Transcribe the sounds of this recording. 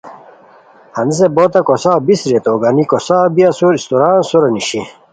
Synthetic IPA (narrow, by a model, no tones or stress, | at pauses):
hɐniseboːt̪ɐkosaːbisɾet̪oɡɐnikosaːbiɐsuɾist̪oɾaːnsuɾɐniɕi